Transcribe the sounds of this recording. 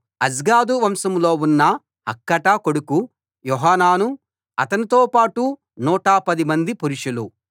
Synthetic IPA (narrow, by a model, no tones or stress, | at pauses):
ɐd͡ʒɡaːd̪uʋɐmsɐmloːunːɐ | ɐkːɐʈɐkoɽuku | jɔɦaːnaːnu | ɐt̪ɐnit̪oːpaːʈu | nuːʈaːpɐd̪imɐnd̪ipuɾiʂulu